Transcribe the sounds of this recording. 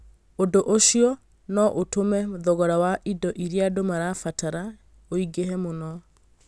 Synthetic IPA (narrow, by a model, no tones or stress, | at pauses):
odoʔoʃiɔ | nɔʔotomɛðɔɣɔɾawaʔidɔʔiɾeadomaɾafataɾa | oiɡeɦɛmonɔ